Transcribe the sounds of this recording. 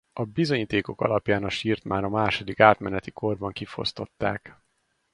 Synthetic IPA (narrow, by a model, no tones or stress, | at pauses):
ɒbizo̞ɲiːt̪eːko̞kɒ̰lɒpjaːnɒʃiːrt̪maːnɒmaːʃo̞d̪ikaːt̪mɛnɛt̪ikʰo̞rbɒŋkifo̞̰st̪o̞̰t̪ːaːk